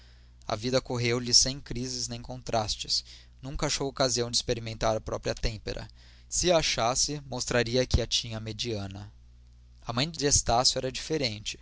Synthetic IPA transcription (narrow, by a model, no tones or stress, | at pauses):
ɐ̰vid̪ɐkoɦewlɪsẽj̃kɾizɪznẽj̃kõnt̪ɾʔast͡ʃɪs | nũkɐaʃowokaziɐ̃w̃d͡ʒɪspeɾimẽnt̪aɾɐpɾɔpɾiɐt̪ẽmpḛɾʔɐ̰ | sɪɐaʃasɪmost̪ɾaɾiɐkʰɪɐt͡ʃĩɲɐmed͡ʒiɐ̃nɐ | ɐmɐ̃j̃d͡ʒɪest̪asjʊɛɾɐd͡ʒifeɾẽnt͡ʃɪ̥